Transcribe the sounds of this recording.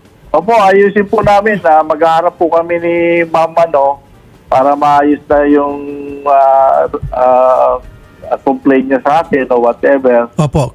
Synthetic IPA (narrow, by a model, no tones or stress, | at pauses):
ʔoːpo̞ʔɐjuːsɪnpʊnaːmɪnːɐmɐɡaːhɐɾap̚ːʊkɐmɛnɪmamɐno̞ | paːɾɐmɐʔaːjʊsnɐjʊŋa | a | ɐkomplejnɲɐsɐʔaːkɪnowɐt̪̚ʔɛbɛɹoːpo